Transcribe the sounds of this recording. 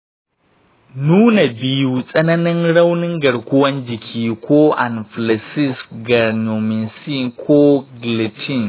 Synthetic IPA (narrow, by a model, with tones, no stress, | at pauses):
nuː˦na˨bi˨ju˨sʼɐ˦nɐ˦nɪ˦ŋɽɐ˦wnɪ˦ŋɡɐ˨ɽkʷʊ˦wɐ˦nd͡ʒɪ˨kʲʰiː˦kʷʰoː˦ʔa˨nfla˨si˦sɡɐ˨ɾno˨mi˨nsi˦kʷʰoː˦ɡli˨tʰi˦˨n